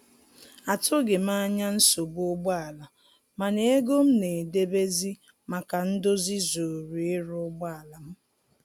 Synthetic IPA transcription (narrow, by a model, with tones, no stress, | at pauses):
a˨tʊ˦ɡe˨m˦a˦ɲa˦n̩˦so˨bʊ˦ɡ͡ba˦a˨la˨ | ma˨ne˦e˦ɡo˦m̩˦ne˨de˦be˦zi˦ | ma˨ka˨n̩˦dʊ˦zi˦zo˨ɾu˨ɪ˦ɾʊ˦ɡ͡ba˦a˨la˨m̩˦